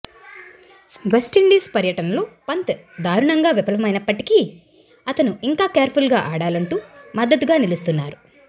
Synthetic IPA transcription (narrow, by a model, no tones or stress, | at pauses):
ʋesʈiɳɖiːspɐɾjɐʈɐnɐlo̞ːpɐnt̪ɐd̪ʱaːɾuɳɐŋɡaːʋipɐlɐʋɐmɐjnɐpːɐʈiki | ɐt̪ɐnuiŋkaːkɛːɾpʰulɡaːʔaːɽaːlɐɳʈuːmɐd̪ːɐt̪ɡaːnilust̪unːaːɾu